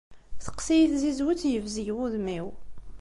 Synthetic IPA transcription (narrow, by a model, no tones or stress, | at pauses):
θə̥qsijiθzizwut͡sːjəvzijwuðmiw